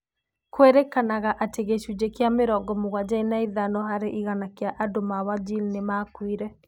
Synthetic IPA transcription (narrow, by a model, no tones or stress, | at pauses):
kweɾekanaɣaʔateɣeʃud͡ʒekeameɾɔɡɔmoɣwad͡ʒainaiðanɔɦaɾeʔiɣanakeaʔadomawad͡ʒilnemakwiɾɛ